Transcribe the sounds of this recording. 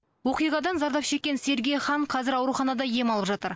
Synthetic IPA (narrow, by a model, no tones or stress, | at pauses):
wo̞qijʁɑd̪ɑnzɑɾd̪ɑpʃe̞kʲːe̞nse̞ɾɡʲejχɑɴqʰɑzɪɾɑwɾuχɑnɑd̪ɑje̞mɑlˠəpʒɑt̪əɾ